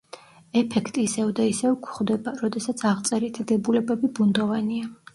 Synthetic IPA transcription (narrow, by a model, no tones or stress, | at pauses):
ɛpʰɛkʰt̪ʼiːsɛvd̪aisɛvkʷʰχd̪ɛbaɾɔd̪ɛsat̪sʰaʁt̪sʼɛɾit̪ʰd̪ɛbulɛbɛbibund̪ɔvania